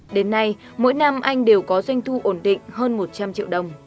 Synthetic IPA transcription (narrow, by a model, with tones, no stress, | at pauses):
ɗe˨˦nːa˧j | mo̰˧˥jna˧mʔa˧jŋ̟ɗe˨˩wkɔ˨˦za˧jŋ̟t̪ʰu˧ʔo˧˩nɗḭ˧˨ŋ̟ɦəː˧nmo˨˩t̚t͡ɕa˧mt͡ɕḭ˧˨wɗə˧wŋ͡m